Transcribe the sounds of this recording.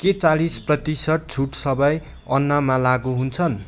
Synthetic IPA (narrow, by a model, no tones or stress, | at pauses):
ket͡salisprʌt̪isʌʈ̚t͡sʰuʈsʌbʌj | ʌnːamalaɡuɦunt͡sʰʌn